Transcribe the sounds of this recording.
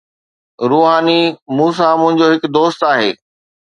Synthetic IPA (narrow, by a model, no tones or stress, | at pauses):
ɾuːɦaːnimuːs̬amʊ̃ɦɪ̃ɲd͡ʑoɦɪkd̪oːst̪aːɦeː